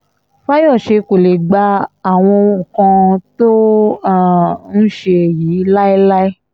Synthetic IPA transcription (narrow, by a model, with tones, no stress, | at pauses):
fa˦jɔ˦˨ʃe˧ko˨le˨ɡ͡ba˧a˨w̃ɔ̃˧u˨kã˧to˦˨ | n̩˦ʃe˧˨jiː˨˦la˦i˦la˦i˦